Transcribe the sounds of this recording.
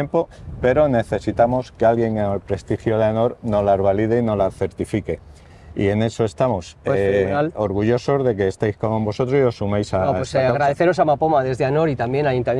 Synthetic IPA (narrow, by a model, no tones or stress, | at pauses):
empo̞pe̞ɾo̞ne̞θe̞sit̪amo̞ske̞alɣje̞ŋeŋelpɾe̞st̪ixjo̞ð̞eano̞ɾno̞lazβ̞alið̞eino̞laθe̞ɾt̪ifike̞ | ḭe̞ne̞so̞e̞st̪amo̞snalo̞ɾɣuʝo̞so̞zðe̞ke̞ːst̪ejskombo̞so̞t̪ɾo̞sio̞sːumejsaaɣɾaðeθeɾo̞samapomaðe̞zðeano̞ɾit̪ambje̞najunt̪am